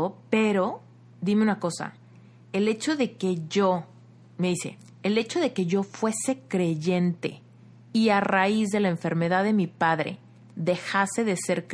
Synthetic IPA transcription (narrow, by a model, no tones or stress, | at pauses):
ope̞ɾo̞ | d̪ime̞unako̞sa̰ | ele̞t͡ʃo̞ðe̞ke̞ʝo | meðise̞̰ː | le̞t͡ʃo̞ðe̞ke̞ʝo̞fwe̞se̞kɾe̞ʝe̞nt̪e̞̰ | iaraizðe̞laeɱfe̞ɾme̞ðaðe̞mipaðɾe̞̰ | ðe̞xase̞ðe̞seɾk